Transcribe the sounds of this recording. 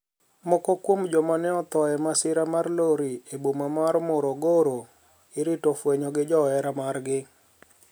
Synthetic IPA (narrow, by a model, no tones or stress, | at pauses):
mɔkɔkwomd͡ʒɔmanɛɔt̪ɔɛmasɪɾamarloɾiebomamaɾmɔɾoɡoɾo | ɪɾɪtofweɲɔɡɪd͡ʒɔɛɾamarɡɪ